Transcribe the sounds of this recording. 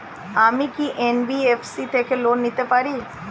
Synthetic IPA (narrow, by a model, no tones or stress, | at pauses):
aːmikiʔeːnbiefʰsit̪ʰekeloːnːit̪epaːɾiː